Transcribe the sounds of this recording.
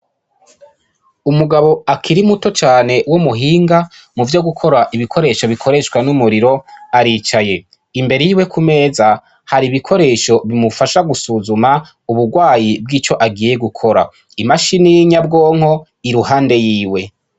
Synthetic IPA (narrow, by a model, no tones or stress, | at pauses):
umuɡaβo̞akʰiɾimuto̞t͡ʃaːne̞wumuɦiːŋɡa | muvjo̞ɡukʰo̞ɾaʔiβikʰo̞ɾe̞ːʃoβikʰo̞ɾe̞ʃkwanumuɾiɾo̞aɾiːt͡ʃaje̞ | imbeɾejiwe̞kʰume̞ːza | haɾiβikʰo̞ɾe̞ːʃo̞βimufaʃaɡusuzuma | uβuɾɡwaːjib̚ɡiːt͡ʃo̞ʔaɡiːjeɡukʰo̞ɾa̰ | imaʃiniɲabɡo̞ːŋ̥ho̞ | iɾuhaːnde̞jiːwe̞